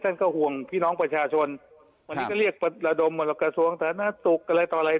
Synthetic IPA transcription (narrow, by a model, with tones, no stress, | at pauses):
t̪ʰa˥˩nkɔː˥˩hu˨˩əŋpʰiː˥˩nɔː˦˥ŋpɾa˧t͡ɕʰaː˧t͡ɕʰo˧n | ma˧niː˦˧˩kɔː˥˩li˥˩ək̚pa˧la˧do˧m˧˩la˧˩kɾa˧su˧˥əŋt̪ʰaː˨˧˦na˧˥su˨˩k̚ʔa˧la˧jt̪ɔː˨˩la˧j